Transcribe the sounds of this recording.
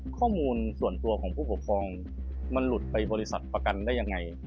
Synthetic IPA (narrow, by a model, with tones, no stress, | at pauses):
kʰɔː˥˩muː˧nsu˨˩ənt̪u˧ɐkʰɔː˩˦pʰuː˥˩pu˩kʰɾɔː˧ŋ | ma˧nlu˨˩t̪̚pa˧jbɔː˧li˧˥sa˨˩t̪̚pɾa˧ka˧ndaː˥˩jːa˧ŋːa˧j